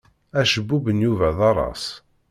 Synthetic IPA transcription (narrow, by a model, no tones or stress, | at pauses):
æʃəbːubənjuvæðɑɾˤɑ̰s